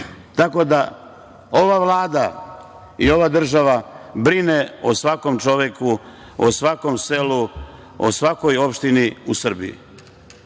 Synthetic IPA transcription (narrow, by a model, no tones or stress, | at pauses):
t̪ako̞d̪a | o̞ʋaʋlˠaːd̪a | io̞ʋad̪r̩ʒaʋabɾine̞osʋako̞mt͡ʃo̞ʋjeku | o̰sʋako̞mse̞lu | o̰sʋako̞jo̞pʃt̪iniusr̩bḭḭ